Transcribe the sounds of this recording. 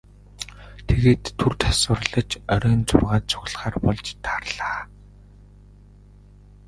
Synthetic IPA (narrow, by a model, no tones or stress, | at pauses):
t̪ʰeɣeːt̪ʰːurt̪ʰḁsə̆rɮə̆t͡ɕœɾʲœːnt͡sʊ̰rʁaːt̪̚t͡sʰʊ̥ɣ̆ɮχaːrpɔɮt͡ɕt̪ʰarɮaː